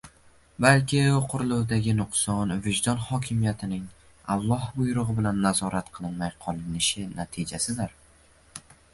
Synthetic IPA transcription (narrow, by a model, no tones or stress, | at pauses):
balkʲɪqʰʊɾlˠʊwd̪aɡʲɪnʊqsɒnvɪʒd̪ɒnχɒkʲʰɪmijat̪ʰɪnɪŋ | alˠːɒhbʊjɾʊʁɨbɪlanːazɒɾat̪qʰɨlˠɪnmajqʰɒlˠɪnɪʃɪnat̪ʰid͡ʒasɪd̪ɪɾ